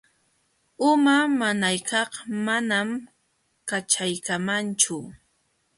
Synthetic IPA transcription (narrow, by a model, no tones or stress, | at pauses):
ʊmamanajkɑqmanam | kat͡ʃajkamant͡ʃʊ